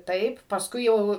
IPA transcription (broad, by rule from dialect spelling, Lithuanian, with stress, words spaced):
ˈtɐɪp pɐsˈkʊɪ ˈjɛʊ